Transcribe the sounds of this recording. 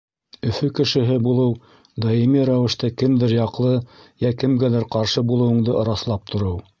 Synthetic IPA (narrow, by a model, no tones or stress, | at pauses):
ɵ̆fɵkɘ̆ʃɘ̆ɦɘbulˠɤw | d̪ɑimiɾæwɘ̆ʃt̪ækɘmd̪ɘɾjɑqlˠɤjækɘ̆mɡælæɾqɑɾʃɤbulˠɤ̆wɤ̆ɴd̪ɤʔŏɾɑslˠɑp̚t̪ʰŏɾɤw